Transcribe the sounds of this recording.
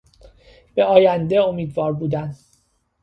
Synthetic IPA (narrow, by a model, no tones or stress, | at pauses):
b̥e̞ɒːjænd̪e̞o̞miːd̪vɒːɾbuːd̪æn